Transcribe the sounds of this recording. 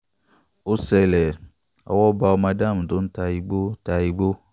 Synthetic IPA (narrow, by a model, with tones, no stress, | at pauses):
o˦sɛ˧lɛ˨ | ɔ̰˨wɔ˦ba˧˨o˨˦ma˧da˦˨m˨do˨˦n̩˦ta˨˧ji˦ɡ͡bo˦ta˧ji˦ɡ͡bo˦